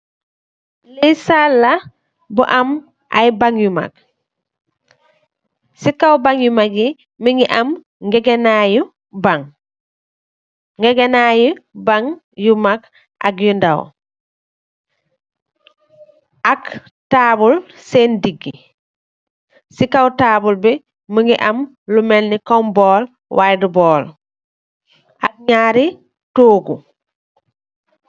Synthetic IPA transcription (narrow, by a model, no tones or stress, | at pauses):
lisalːa | buʔam | ʔa̰jbaŋjuma̰k̚ | sikawbaŋjumaɡi | miŋiʔam | ŋɡɛɡɛnaju | baŋ | ŋɡɛɡɛnajubaŋ | jumak | akjundaw | ak | taːbul | sendiɡːi | sikawtaːbulbɛ | məŋɡiʔam | lumelnikɔmbɔːl | wajdubɔːl | ʔak̚ɲaːɾi | toːɡu